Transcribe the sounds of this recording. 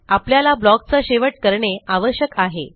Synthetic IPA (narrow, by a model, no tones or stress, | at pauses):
apljalablɔk̚t͡saɕeʋəʈ̚kəɾɳeaʋəɕjəkaɦe